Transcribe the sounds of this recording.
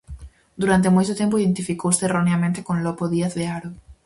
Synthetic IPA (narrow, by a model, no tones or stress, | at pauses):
d̪uɾant̪̬emojt̪ʊt̪empʊiðent̪ifikowseːroneamẽnt̪ekoŋlɔpoðiaθðeaɾʊ